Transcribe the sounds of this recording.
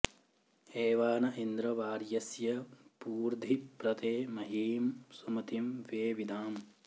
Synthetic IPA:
eːʋaːnɐʔind̪ɾɐʋaːɾjɐsjɐpuːɾd̪ʱipɾɐt̪eːmɐɦiːmsumɐt̪imʋeːʋid̪aːm

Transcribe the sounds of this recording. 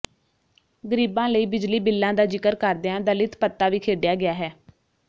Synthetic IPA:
ɡəɾiːbãːləiːbɪd͡ʒliːbɪlːãːd̪aːd͡ʒɪkəɾkəɾd̪eãːd̪əlɪt̪pət̪ːaːʋiːkʰeːɖɪjaːɡɪjaːɦɛː

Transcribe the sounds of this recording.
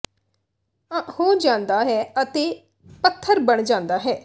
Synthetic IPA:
ãhoːd͡ʒãːnd̪aːɦɛːət̪eː | pət̪ʰːəɾbəɳd͡ʒãːnd̪aːɦɛː

